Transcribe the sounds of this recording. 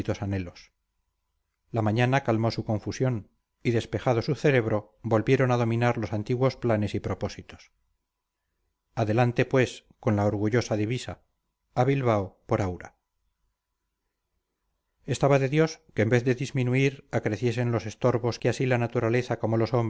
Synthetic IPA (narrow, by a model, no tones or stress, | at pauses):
it̪o̞sane̞lo̞s | lamãɲanakalmo̞sukõ̞ɱfusjo̞n | iðe̞spe̞xað̞o̞suθe̞ɾe̞β̞ɾo̞ | bo̞lβje̞ɾo̞naðo̞mĩnaɾlo̞sant̪iɣwo̞splane̞sipɾo̞po̞sit̪o̞̥s | aðe̞lant̪e̞pwe̞sko̞nlaoɾɣuʝo̞saðiβisaː | βilβaopo̞ɾawɾa | e̞st̪aβaðe̞ðjo̞skeːmbe̞θðe̞ðizmĩnuiɾakɾe̞θje̞s̬e̞nlo̞se̞st̪o̞ɾβo̞skeasilanat̪uɾale̞θako̞mo̞lo̞so̞m